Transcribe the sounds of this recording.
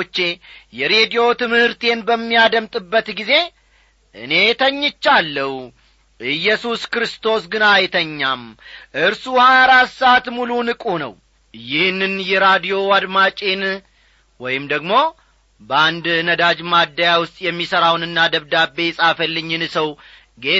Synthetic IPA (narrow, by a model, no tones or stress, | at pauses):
t͡ʃːe̞jɛɾe̞d̪ijo̞t̪ɨmhɨɾt̪ʰe̞nbəmːijad̪əmt̪ʼɨbːət̪ɡize̞ | ʔɨ̰ne̞t̪ʰəɲːɪt͡ʃːalːəh | ʔɨjːɛsuskɾɨst̪ʰo̞sɡɨnajt̪ʰəɲːamʔɨɾsuhaaɾasat̪mulunɨkʼunə̰w | jɪhnːɨnjɛɾad̪ijo̞ad̪mat͡ʃʼen | wɔjɪmd̪əɡmo̞ | bəand̪nəd̪ad͡ʒmad̪ːajawʊst̪ʼjɛmːisəɾawnɨnːad̪əβd̪abːe̞sʼafəlːɨɲːɨnsəw | ɡe